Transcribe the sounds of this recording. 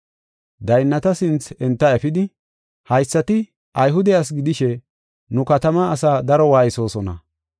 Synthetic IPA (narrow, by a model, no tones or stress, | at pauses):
d̪ɐjnːɐt̪ɐsɪnt͡sɛnt̪ːɐɛfɪd̪ɪ | hɐjsːɐt̪ɪ | ʔɐjɦʊd̪ɛjas̬ɡɪd̪ɪʃɛ | nʊkɐt̪ɐmaːsaːd̪ɐɾɔwaːjso̞ːsɔnɐ̰